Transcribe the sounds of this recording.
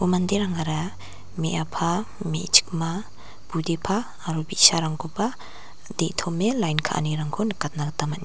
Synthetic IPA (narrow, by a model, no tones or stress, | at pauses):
umandeɾaŋaɾa | meʔapʰamet͡ʃʰi̥k̚ma | b̥udepʰaː | ɾubisaɾaŋɡʰupa | deʔtʰɔmelajnkʰa̰ʔa̰niɾaŋkʰɔnɯkat̚naɡatamatni